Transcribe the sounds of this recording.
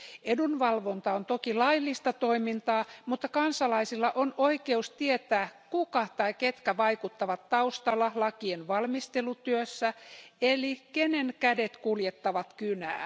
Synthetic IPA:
edunʋɑlʋont̪ɑont̪okilɑilːist̪ɑt̪oimint̪ɑːmut̪ːɑkɑnsɑlɑisilːɑʔonoikeust̪iet̪æːkukɑt̪ɑiket̪kæʋɑikut̪ːɑʋɑt̪tɑust̪ɑlːɑlɑkienʋɑlmist̪elut̪yøsːæelikenenkædet̪kuljet̪ːɑʋɑt̪kynæ̰ː

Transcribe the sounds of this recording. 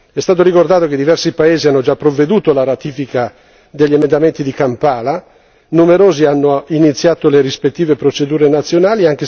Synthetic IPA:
ɛst̪aːt̪oɾikord̪aːt̪ok̟ed̪ːivɛrsipaeːzianːod͡ʒapːɾovːed̪uːt̪olaɾat̪iːfika | d̪eʎːiemend̪ament̪id̪ikampaːla | numeɾoːzianːoinit̪sːjaːt̪oleɾispet̪ːiːvepɾot͡ʃed̪uːɾenat̪sːjonaːliaŋk̟e

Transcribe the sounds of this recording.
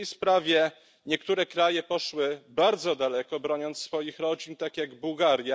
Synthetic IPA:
jspɾavʲjɛ | ɲɛkt̪uɾɛkɾajɛpɔʂwɘbaɾd̪zɔd̪alɛkɔbɾɔɲɔnt̪sfɔjixɾɔd͡ʑint̪akʲjaɡbuwɡaɾja

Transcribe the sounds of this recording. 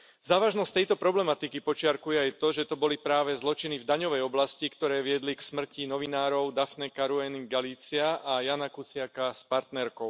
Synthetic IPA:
zaːʋaʒnɔsct̪ɛjt̪ɔpɾɔblɛmat̪ikipɔt͡ʃɪaɾkujɛajt̪ɔʒɛt̪ɔbɔlipɾaːʋɛzlɔt͡ʃinivd̪aɲɔʋɛjɔblascikt̪ɔɾɛːʋɪɛd̪liksmr̩cinɔʋinaːɾɔʊd̪afnɛkaɾuɛniɡaliːt͡sɪaajanakut͡sɪakaspaɾt̪nɛɾkɔʊ

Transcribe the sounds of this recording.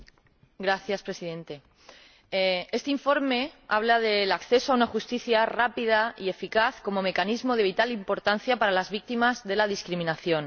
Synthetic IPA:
ɡɾaθjaspɾe̞siðẽ̞nt̪e̞ | e̞st̪eiɱfo̞ɾme̞a̰β̞lað̞e̞lakθe̞soaunaxust̪iθjarapiðaie̞fikaθko̞mo̞me̞kanizmo̞ð̞e̞β̞it̪alimpo̞ɾt̪an̟θjapaɾalazβik̚t̪imazðe̞laðiskɾimĩnaθjõ̞n

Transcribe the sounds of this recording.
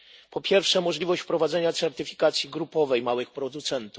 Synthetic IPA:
pɔpʲjɛɾfʂɛmɔʐlʲivɔɕt͡ɕpɾɔvad̪zɛɲat̪sɛɾt̪ɘfʲi̥kat̪sʲjiɡɾupɔvɛjmawɘxpɾɔd̪ut̪sɛnt̪u

